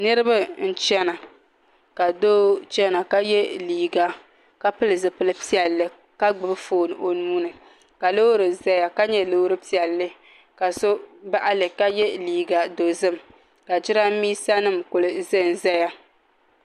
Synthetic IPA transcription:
nɨ˦ɾɨ˦ba˦n̩˦t͡ʃɛ˦na˨ | ka˨doː˦t͡ʃɛ˦na˨ka˦jɛ˦liː˨ɡa˨ | ka˦pɨ˦lɨ˨zɨ˨pɨ˦lɨ˦pi˦ɛ˨lːɨ˦ | ka˦ɡ͡bɨ˨bɨ˦foː˦˨nɨ˨o˨nuː˦nɨ˨ | ka˨lo˦ɾɨ˨za˦ja˦ka˦ɲɛ˦lo˦ɾɨ˦pi˦ɛ˨lːɨ˦ | ka˨so˦ba˦ʔa˦lɨ˨ka˦jɛ˦liː˨ɡa˨do˨zɨ˦˨m | ka˨d͡ʒɪ˦ɾa˦miː˦sa˦nɨ˦˨mkʊ˨lɨ˨zɨ˦˨n˨za˦ja˦

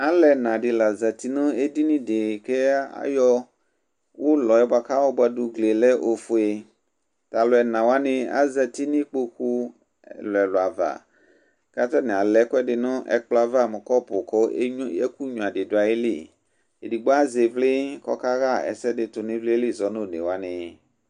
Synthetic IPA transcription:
a˦lɛ˨nã˨ɖɪ˨la˨zɛ˨t̪i˨nʊ̃˦e˦di˦nĩ˦dɪ˨ke˦a̰˦jɔ˦ | wo˦lɔ˨jɔ˦ba˨ka˦wo˦ba˦dʊ˨ɡle˨lɛ˦ʔo˨fo˨e˨ | t̪a˨lʊ˨˦ɛ˨nã˨wa˦nɪ̃˦a̰˦zɛ˨t̪i˦nĩ˦k͡po˦xu˦˨ | lɛ˨lʊ˨a˨va̰˨ | ka˦t̪a˦nɪ̃˨a˨lɛ˦kʊ˦ɛ˦ɖɪ˨nʊ̃˦ʔɛ̰˨k͡plɔ˦a˨va˦˨mẽ˨kɔ˦pʊ˨kɔ˦jɛ̰˦ku˦ɲũ˨a˨dɪ˨dʊ˨a˨je˦lḭ˦˨ | e˨di˨ɡ͡ba˦ze˨vlɪ˦kɔ̰˦ka˦ɣa˦ɛ̰˨sɛ˦dɪ˨t̪ʊ˨nɪ̃˦vle˦e˦li˦˨zɔ˨˦nõ˦˨nḛ˨wa˦nɪ̃˨

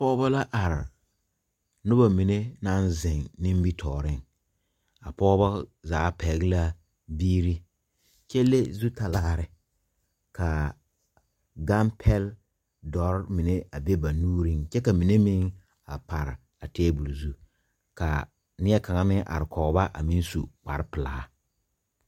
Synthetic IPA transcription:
pɔː˦ba˦la˦ʔa˨ɾɪ˨ | nʊ˦ba˨mi˨ne˦na˦nzɪ˨ŋnɪ˦m˦bi˦tʰɔː˨ɾɪ˦˨ŋ | a˨pɔː˦ba˦zaː˨˦pɛ˨˦ɡɪ˦la˦ | biː˦ɾi˦ | t͡ʃɛ˦lːe˦zu˦ta˨laː˦˨ɾɪ˨ | ka˨ | ɡa˦mpʰɛ˦l | dɔ˨˦ɾmi˨ne˦a˨be˦ba˨nuː˦ɾi˦ŋt͡ʃɛ˦ka˨mi˨ne˦mɪ˦ŋ | a˨pa˨ɾɪ˨ | a˨tɛː˦bu˨lzu˦ | ka̰˨ | nɪ˦ɛ˦ka˨ŋa˦mɪ˦ŋʔa̰˨ɾɪ˨kɔ˨ɣba˦ʔa̰˨mi˦n˦sṵ˨k͡pa̰˨ɾɪ˦pɪ˨la˨˦

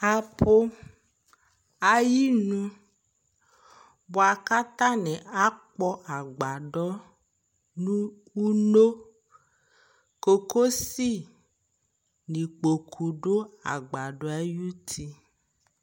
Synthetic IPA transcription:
a˨po˦ | a˨ji˦nũ˦ | bo˨a˨ka˦t̪a˦nɛ˨ʔa˦k͡pɔ˦ʔa˨ɡ͡ba˨ɖɔ˦ | nũ˦ | u˦no˦ | ko˨ko˦si˦ | nĩ˨k͡po˨kʰu˨ɖo˦a̰˨ɡ͡ba˨ɖɔ˨˦a˦ju˦t̪ʰi˦

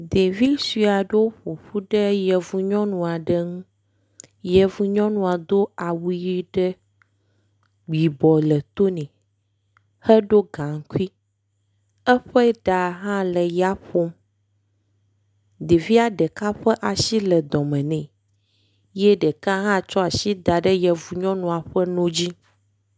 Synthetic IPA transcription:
d̪e˨vi˦si˨a˨ɖe˦wo˦ɸo˨ɸu˦ɖɛ˦jɛ˨vu˨ɲɔ̃˦nũ˨a˨ɖə˦ŋũ˦ | jɛ˨vu˨ɲɔ̃˦nũ˨a˨d̪o˦a˨wu˦ji˦ɖɛ˦ | ɡ͡bi˨bɔ˨lə˨t̪o˦nɛ̃˨ | hɛ˦ɖo˦ɡã˨ŋ˦ku˦i˦ | ɛ˦ɸɛ˦ɖa˨ɦã˦lɛ˨ja˦ɸo˦m | d̪e˨vi˦a˨ɖɛ˨ka˦ɸɛ˦ʔa˨si˦lɛ˨d̪ɔ̃˨mɛ̃˨nɛ̃˨ | jɛ˦ɖɛ˨ka˦ɦã˦t͡ʃɔ˦a˨si˦d̪a˨ɖə˦jɛ˨vu˨ɲɔ̃˦nũ˨a˨ɸɛ˦nõ˦d͡ʑi˦

